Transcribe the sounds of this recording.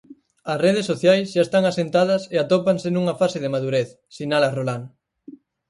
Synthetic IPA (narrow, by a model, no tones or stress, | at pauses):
ɐsreð̞esːoθjajsʃaest̪aŋasent̪aðɐseat̪opaŋsenuŋɐfasɪðemaðuɾeθ | sinalɐrolaŋ